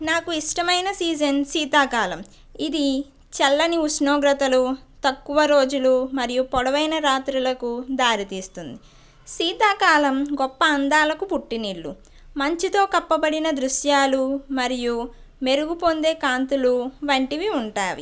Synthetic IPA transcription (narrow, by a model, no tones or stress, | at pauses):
naːkuiʂʈɐmɐjnɐsiːd͡ʒɐnsiːt̪aːkaːlɐm | id̪i | t͡ʃɛlːɐniusnoːɡɾɐt̪ɐlut̪ɐkːuʋɐɾo̞ːd͡ʒulumɐɾijupɔɽɐʋɐjnɐɾaːt̪ɾulɐkud̪aːɾit̪iːst̪und̪i | siːt̪aːkaːlɐmɡɔpːɐːnd̪aːlɐkupuʈːiniːɭːu | mɐɲt͡ʃit̪o̞ːkɐpːɐbɐɽinɐd̪ɾuʃjaːlumɐɾiju | me̞ɾuɡupond̪e̞ːkaːnt̪uluʋɐɳʈiʋiuɳʈaːʋḭ